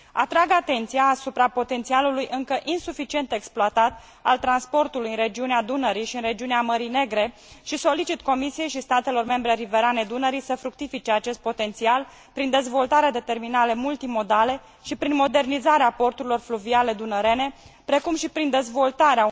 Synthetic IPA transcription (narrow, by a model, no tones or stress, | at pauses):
at̪ɾaɡat̪e̞nt̪sijaːsupɾapo̞t̪e̞nt̪sialulujʔɨŋkəʔinsufit͡ʃie̞nt̪eksploat̪at̪ | a̰lt̪ɾanspo̞rt̪ulujɨnrɾe̞d͡ʒiunead̪unəɾiʃiɨnre̞d͡ʒiuneaməɾine̞ɡɾe̞ | ʃiso̞lit͡ʃit̪ko̞misije̞jʃist̪at̪e̞lo̞rme̞mbɾe̞ɾive̞ɾane̞d̪unəɾijsəfɾuk̚t̪ifit͡ʃe̞at͡ʃe̞st̪̚po̞t̪e̞nt̪sial | pɾind̪e̞zvo̞lt̪aɾead̪e̞t̪e̞rminale̞mult̪imo̞d̪ale̞ | ʃipɾinmo̞d̪e̞rnizaɾeapo̞rt̪uɾilo̞rfluviale̞d̪unəɾe̞ne̞pɾe̞kumʃipɾind̪e̞zvo̞lt̪aɾea